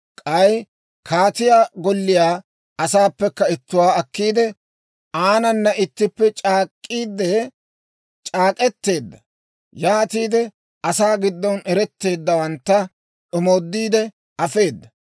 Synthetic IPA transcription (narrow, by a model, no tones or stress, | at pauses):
kʼɐj | kʰaːt̪ɪjaːɡɔlːɪjaː | ɐsaːpːɛkːɐɪt̪ːʊwaːɐkːiːd̪ɛ | ʔaːnɐnːɐʔɪt̪ːɪpːɛt͡ʃʼaːkʼːiːd̪ɛ | t͡ʃʼaːkʼɛt̪ːe̞ːd̪ːɐ | jaːt̪iːd̪ɛ | ɐsaːɡɪd̪ːɔnɛɾɛt̪ːe̞ːd̪ːɐwɐnt̪ːɐ | ʊmoːd̪ːiːd̪ɛ | ʔɐfe̞ːd̪ːɐ